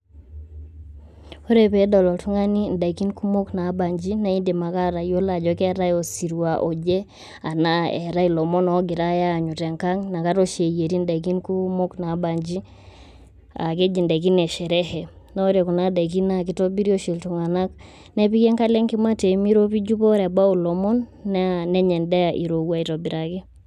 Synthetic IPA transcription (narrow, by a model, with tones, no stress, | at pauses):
o˦ɾɛ˦pɛ˦dɔ˨lɔ˨tu˦ŋa˦ni˦n˨da˨iki˦nku˦mo˦kna˨˦ba˨ɲd͡ʒi˦na˦i˦nde˨ma˨ka˦ɾa˨jo˦la˨d͡ʒɔ˦kɛ˦ɾa˦jɔ˨si˨ɾu˨wa˨ʔo˨d͡ʒɛ˦ | a˨na˦ɛ˨ɾa˦i˨lɔ˨mɔ˦nɔ˨˦ɡɪ˨ɾa˦ja˦˨ɲu˨tɛ˨ŋka˦ŋna˨ka˦tɔ˦ʃe˨je˨ɾi˦nda˨ik̬i˦nku˦mo˦kna˨˦ba˨ɲd͡ʒi˦ | a̰˨k̬e˦d͡ʒi˨ndɛ˨k̬i˦nɛ˨ʃɛ˨ɾɛ˦hɛ˨ | nɔ˦ɾe˨ku˨na˦da˨k̬i˦na˦k̬i˨tɔ˦bi˦ɾio˦ʃi˨ltu˨ŋa˨na˦k̚ | nɛ˦pi˦kɛ˦ŋka˦lɛ˦ŋki˦ma˦te˨mi˦ɾo˦pi˦d͡ʒu˦pɔ˦ɾɛ˨ba˦u˨lɔ˨mɔ˦nː˦nɛ˦ɲɛ˨ndɛ˦ja˨ʔḭ˨ɾo˨wa˨i˨tɔ˨bi˨ɾa˨kɛ˦